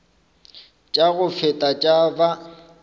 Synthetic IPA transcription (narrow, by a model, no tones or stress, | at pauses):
t͡ʃʼaɣʊfɛtʼat͡ʃʼaba